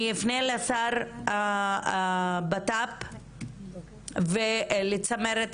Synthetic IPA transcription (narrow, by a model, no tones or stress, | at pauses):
jifnelasaɾa | bat̪ap | velit͡sameɾet̪